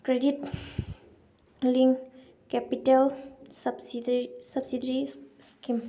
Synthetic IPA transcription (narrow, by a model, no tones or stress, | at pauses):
kɾedit̚ | liŋ | kɛpitalsabsisab̚sidəɾiskim